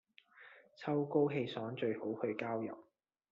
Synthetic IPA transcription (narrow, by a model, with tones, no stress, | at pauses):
t͡sʰɐ˥wko˥wɦe˧jsɔː˨˥ŋt͡ʃɵ˧ɥho˨˥whɵ˨˧ɥkaː˥wjɐ̰˨˩p̚